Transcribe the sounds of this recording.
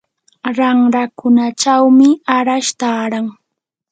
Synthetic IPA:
ɾaŋɾakʊnat͡ʃawmɪaɾaʃt̪aɾaŋ

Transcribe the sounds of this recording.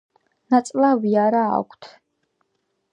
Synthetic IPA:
nat̪sʼlaviaɾa̰ːkʷʰt̪ʰ

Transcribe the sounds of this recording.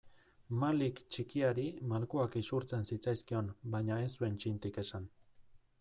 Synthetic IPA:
malikt͡ʃikiaɾimalkoakisuɾt͡sensit͡sajskio̞nbajɲae̞sue̞nt͡ʃint̪ike̞san

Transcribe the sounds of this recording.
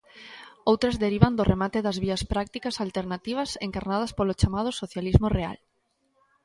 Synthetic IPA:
owt̪ɾɐzðeɾiβand̪oremat̪eðɐzβiɐspɾak̚t̪ikɐsalt̪eɾnat̪iβ̞ɐseŋkaɾnað̞ɐspolot͡ʃamað̞ʊsoθjalizmorea̰l

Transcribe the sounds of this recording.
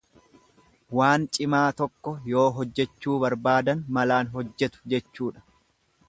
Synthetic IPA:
waːnt͡ʃʼɪmaːt̪ɔkːɔjo̞ːɦɔd͡ʒːɛt͡ʃːuːbɐɾbaːd̪ɐnmɐlaːnɦɔd͡ʒːɛt̪ʊ̥d͡ʒɛt͡ʃːuːᶑɐ̥

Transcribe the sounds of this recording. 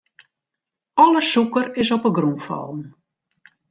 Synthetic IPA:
ɔləsukərɪsɔpəɡrunfɔ̰lˠn̩

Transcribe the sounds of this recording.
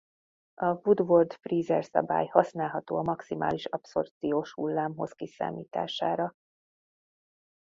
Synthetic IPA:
ɒvud̪ʋo̞rd̪friːzɛrsɒ̰ba̰ːjhɒsnaːlɦɒt̪o̰ːɒmɒksimʔa̰ːliʃɒpso̞̰rt̪sijoːʃhulːaːmɦo̞̰zkisa̰ːmiːt̪a̰ːʃaːɾɒ

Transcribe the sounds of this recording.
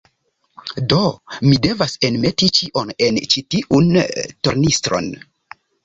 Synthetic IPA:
do̞mide̞vasenme̞tit͡ʃiʔo̞ne̞nt͡ʃitiʔunto̰ɾnistɾo̞̰n

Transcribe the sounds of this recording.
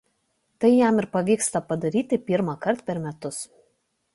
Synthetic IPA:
t̪ɐɪjæˑmɪɾpɐʋʲiːkst̪ɐpɐd̪ɐɾʲiːt̪ʲɪpʲɪɾmɑkɐɾt̪pʲɛɾmʲɛt̪ʊs

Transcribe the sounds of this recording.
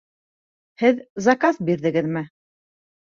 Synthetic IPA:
hɘðzɑkɑsbiɾðɘ̆ɡɘðmɘ

